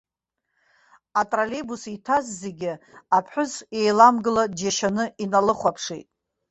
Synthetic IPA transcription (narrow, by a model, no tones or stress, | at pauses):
atʼralebusitʰazzeɡʲɪapʰħʷʊze̞jlamɡɨlad͡ʒaʃanɨinalɨχʷapʰʂḭjtʼ